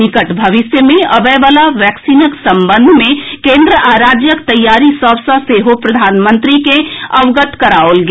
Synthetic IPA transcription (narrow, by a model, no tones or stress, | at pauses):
ɪkəʈbʱɐʋɪsjəmẽɐbəʋalaʋjɛːksiːnəksɐ̃mbə̃nd̪ʱmẽkẽːnd̪ɾəʔaːɾaːd͡ʒjəkt̪ɐjːaːɾisɔːʋsaseɦopɾɐd̪ʱaːnmə̃nt̪ɾikeɐʋɡət̪kɐɾaːolɡ